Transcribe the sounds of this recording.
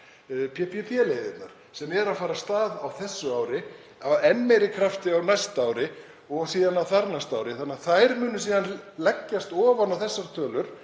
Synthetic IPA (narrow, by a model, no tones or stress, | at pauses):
pʰɛpʰipʰilejðɪt̪naɾ̥ | sɛmɛɾaðfaːɾast̪aːðawθɛsːʏaːwɾɪ | awɛnːejɾɪkʰɾaft̪ɪawnajst̪awɾɪ | ɔɣsiːðanawθaɾnajst̪aːwɾɪθanːaθajɾmʏːnʏs̬iːðanlɛcːast̪ɔːvanawθɛsːaɾ̥t̪ʰœːlʏɾ̥